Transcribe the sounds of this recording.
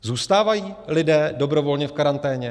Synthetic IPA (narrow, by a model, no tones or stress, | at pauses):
zuːst̪aːvajiːlɪdɛːdo̞bɾo̞vo̞lɲɛfkaɾant̪ɛːɲɛ